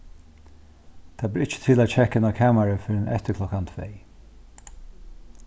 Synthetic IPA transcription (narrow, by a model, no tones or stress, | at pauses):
t̪ʰaːbɪɹɪt͡ʃə̥t̪ʰɪlæːd̪t͡ʃʰɛkɛnakʰaːmaɹəfɪɾɪnʔɛ̰t̪əkʰlɔkant̪ʰvɛ̰j